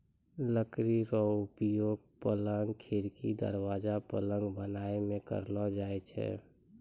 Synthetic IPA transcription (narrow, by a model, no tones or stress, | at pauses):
ləkɾiɾɔʊpjoːɡ̚pələŋɡkʰeɾkid̪ə̰ɾwaːd͡ʒapələ̃ŋɡbənaːemẽkə̰ɾlɔd͡ʒaːɛt͡ʃʰɛ̰